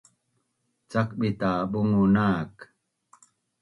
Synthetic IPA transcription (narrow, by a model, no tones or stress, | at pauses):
t͡ʃak̚ɓitaɓuŋunaːk